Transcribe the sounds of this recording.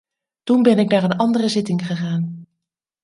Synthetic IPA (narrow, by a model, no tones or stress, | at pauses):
tunbɛnɪɡ̚naːɹənɑndərəzɪtɪŋχəχaːn